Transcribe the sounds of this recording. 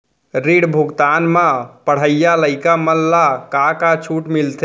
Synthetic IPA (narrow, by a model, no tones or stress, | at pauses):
ɾiɽbʱuɡt̪aːnmãpəɽ̤əjaləɪkaməlːakakat͡ʃʰuʈmilt̪ʰe